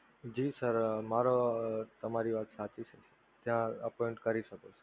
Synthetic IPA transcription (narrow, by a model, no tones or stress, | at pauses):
d͡ʒisəɾmaɾot̪əmaɾiʋaːt̪sat͡ʃit͡ʃʰe | t̪jãəpɔeɳʈkəɾiʃəkot͡ʃʰe̥